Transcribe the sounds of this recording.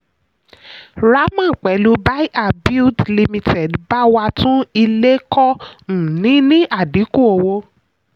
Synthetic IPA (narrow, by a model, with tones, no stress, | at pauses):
ɾa˨˦mã˦˨k͡pɛ˨˦lu˧˦ba˦i˦ʔa˨bi˦dli˧mĩ˧tʰɛ˨dba˦wa˧tũ˦i˧le˦kɔ˦n̩˨nĩ˨˦nĩ˦ʔa˦˨di˨˦ku˦˨o˧wo˧